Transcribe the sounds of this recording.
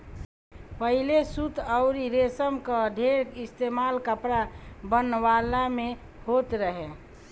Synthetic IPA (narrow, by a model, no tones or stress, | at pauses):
pəɦilesut̪əʊɾiɾesəmkəɖʱeɾɪst̪emalkəpɾabənːʋalamẽ | hot̪ɾəɦe